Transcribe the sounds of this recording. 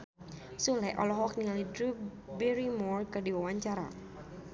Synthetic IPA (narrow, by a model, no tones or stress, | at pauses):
sulɛʔɔ̰lɔɦɔknialidɾubɛɾimɔrkərdiwawaɲt͡ʃaɾa̰